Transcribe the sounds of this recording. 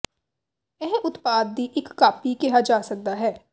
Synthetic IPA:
ɛɦʊt̪paːd̪̚ːiʔɪkːaːpikɛɦad͡ʒaːsɐk̚d̪aɦɛː

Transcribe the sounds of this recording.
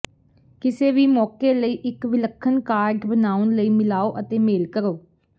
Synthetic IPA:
kɪseːʋiːmɔːkeːləiːʔɪkʋɪləkʰːənkaːɾɖbənaːʊnləiːmɪlaːoːʔət̪eːmeːlkəɾoː

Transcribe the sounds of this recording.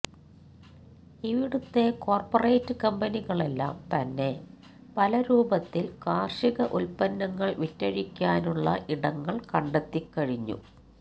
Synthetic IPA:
iʋiɽut̪ːe̞ko̞ːrpɐre̞ːtːɨkɐmbɐniɣɐɭe̞lːa̰ːmt̪ɐnːe̞ | pɐlɐɾuːbɐt̪ːilkaːrʂiɣɐʔulpɐnːɐŋːɐɭʋitːɐɻikʲːaːnuɭːɐ̰ʔiɽɐŋːɐɭkɐɳɖɐt̪ːikːɐɻiɲːṵ

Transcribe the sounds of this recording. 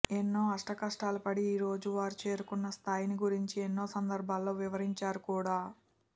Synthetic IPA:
enːo̞ːɐʂʈɐkɐʂʈaːlupɐɽiːɾo̞ːd͡ʒuʋaːɾut͡ʃe̞ːɾukunːɐst̪ʰaːjniɡuɾiɲt͡ʃienːo̞ːsɐnd̪ɐɾbʱaːlːo̞ːʋiʋɐɾiɲt͡ʃaːɾukuːɽaː

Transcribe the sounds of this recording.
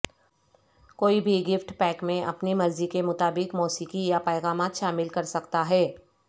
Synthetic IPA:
koːibʱiɡɪfʈpɛːkmẽʔɐpnimɐɾzikemʊt̪aːbɪkmɔːsiːkijapɛːɣaːmaːt̪ʃaːmɪlkɐɾsɐkt̪aɦɛː

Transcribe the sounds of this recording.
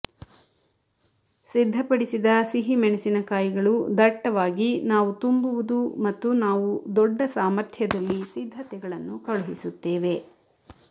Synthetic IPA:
sid̪ʱːɐpɐɽisid̪ɐsiɦimɛnɛsinɐkaːjiɡɐɭud̪ɐʈːɐʋaːɡinaːʋut̪umbuʋud̪umɐt̪ːunaːʋud̪ɔɖːɐsaːmɐɾt̪ʰjɐd̪ɐlːisid̪ʱːɐt̪ɛɡɐɭɐnːukɐɭuɦisut̪ːeːʋe̞

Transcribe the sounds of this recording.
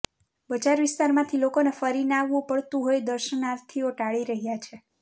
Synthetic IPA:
bət͡ʃaɾʋɪst̪aɾmãt̪ʰilokonefəɾinaʋũpəɭt̪ũɦojd̪əɾʃənaɾt̪ʰioʈaɭiɾəɦjat͡ʃʰe

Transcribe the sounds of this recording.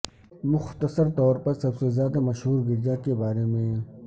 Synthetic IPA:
mʊxt̪əsəɾt̪ɔːɾpɐɾsɐbsezjaːd̪amɐʃɦuːɾɡɪɾd͡ʒaːkebaːɾemẽ

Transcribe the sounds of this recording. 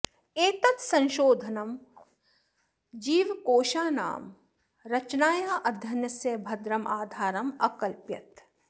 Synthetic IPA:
eːt̪ɐt̪sɐ̃nʃoːd̪ʱɐnɐm | d͡ʒiːʋkoːʃaːna̰ːm | ɾɐt͡ʃnaːjaːʔɐd̪ʱjɐnjɐsjɐbʱɐd̪ɾɐmʔaːd̪ʱaːɾɐmɐ̰kɐlpjɐt̪

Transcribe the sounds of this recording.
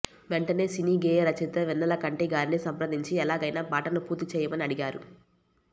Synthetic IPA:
ʋeɳʈɐne̞ːsiniːɡeːjɐɾɐt͡ʃit̪ɐʋɛnːɐlɐkɐɳʈiɡaːɾnisɐmpɾɐd̪iɲt͡ʃiɛlaːɡɐjnaːbaːʈɐnupuːɾt̪it͡ʃɛːjɐmɐniɐɽiɡaːɾṵ

